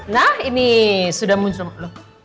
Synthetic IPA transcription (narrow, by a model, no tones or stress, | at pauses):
nahinisudahmuɲt͡ʃʊmlo